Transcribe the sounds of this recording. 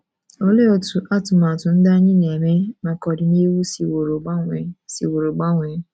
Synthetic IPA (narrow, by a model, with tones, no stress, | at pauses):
o˦le˦o˧tu˨ʔa˦˨tũ˨mã˨tũ˨˦n̩˦da˦nĩ˦˨nĩ˨ɛ˨mẽ˦mãː˦kɔ˧˦di˨˦nĩ˦e˦wu˦si˦wo˨ɾo˨ɡ͡ba˦w̃ɛ˧si˦wo˨ɾo˨ɡ͡ba˦wũ˨˧˦